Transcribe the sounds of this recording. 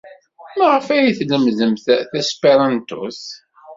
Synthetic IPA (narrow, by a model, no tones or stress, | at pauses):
mæʁəfæjiθləmzəmθθæspeɾˤɑnt̪ṵs